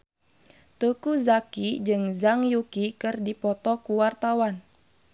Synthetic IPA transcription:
t̪ukuzakid͡ʒɨŋzaŋjukikɨrdipɔt̪ɔkuwart̪awan

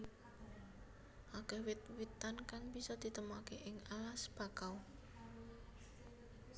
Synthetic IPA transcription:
ʔakəwɪt̪̚wit̪ːankaŋbisɔd̪̥i̤t̪əmakeʔɪŋalasb̥a̤kaw

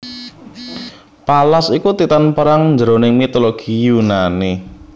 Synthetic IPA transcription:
palasikut̪it̪anpəɾaŋɲd͡ʒəɾonɪŋmit̪oloɡ̥ijunani

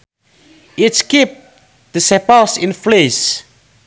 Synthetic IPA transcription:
itskip̚ | d̪̥əsɛpasĩnfles

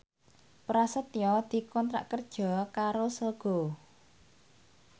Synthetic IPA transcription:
pɾasət̪jɔd̪̥i̤kɔnt̪ɾa̰ʔkərd̥ʒ̥ɔ̤kaɾosəlɡ̥ɔ̤

